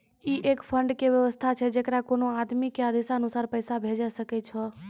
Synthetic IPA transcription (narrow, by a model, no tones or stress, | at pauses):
iʔekpʰəɳɖkebjəʋəst̪ʰat͡ʃʰɛd͡ʒekɾakonoad̪mikeəd̪ʱesaənusaːɾpəjsabʱed͡ʒɛsəkɛt͡ʃʰɔ